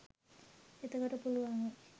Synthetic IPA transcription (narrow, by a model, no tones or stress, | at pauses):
et̪əkoʈəpuluaŋ